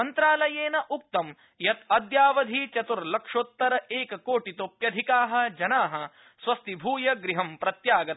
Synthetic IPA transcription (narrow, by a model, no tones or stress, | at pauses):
ɐnt̪ɾaːlɐjeːnɐʔuk̚t̪ɐm | jɐt̪ɐd̪jaːʋɐd̪ʱit͡ʃɐt̪uɾlɐkʂoːt̪ːɐɾɐeːkɐkoːʈit̪oːpjɐd̪ʱikaːɦɐ̆d͡ʒɐnaːɦɐ̆ | sʋɐst̪ibʱuːjɐɡɾiɦɐmpɾɐt̪jaːɡɐt̪ɐ